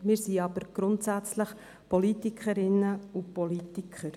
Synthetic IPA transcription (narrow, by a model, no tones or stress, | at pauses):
mɪːɾsiɑbəɾɡ̥ɾʊntsæt͡sləχ | pʰɔlitikχəɾɪnːəʊpɔlit̪ikʰχəɾ